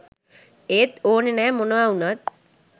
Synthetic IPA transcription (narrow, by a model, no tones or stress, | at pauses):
eːt̪oːnenɛːmonəʋaunat̪̚